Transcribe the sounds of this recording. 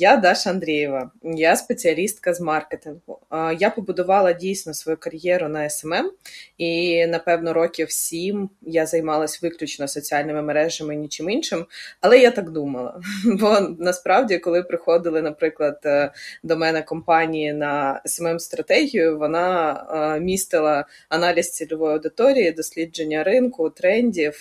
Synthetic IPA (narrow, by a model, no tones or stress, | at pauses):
jad̪ɑʃɐnd̪ɾʲejɛʋɐjaspet͡sʲiɐlʲist̪̚kɐzmɑrket̪ɪnɦʊjapɔbʊd̪ʊʋɑlˠɐdʲijsʲnɔsʋɔjukɐɾʲjɛɾʊnɐɛsɛmɛminɐpɛwnɔɾɔkʲɪwsʲimjazɐjmɑlˠɐsʲʋɪklʲʊt͡ʃnɔsɔt͡sʲiɑlʲnɪmɪmeɾɛʒɐmɪnʲit͡ʃɪminʃɪmɐlˠɛjat̪ɑɡd̪umɐlˠɐ̰bɔnɐspɾɑwdʲikɔlˠɪpɾɪxɔd̪ɪlˠɪnɐpɾɪklˠɐd̪d̪ɔmɛnɛkɔmpɑnʲijinɐɛsɛmɛmst̪ɾɐt̪ɛɦʲijʊʋɔnɑ | mʲist̪ɪlˠɐɐnɑlʲist͡sʲilʲʊʋɔjɐwd̪ɪt̪ɔɾʲijid̪ɔsʲlʲid͡ʒenʲːɐɾɪnkʊt̪ɾɛnʲdʲiw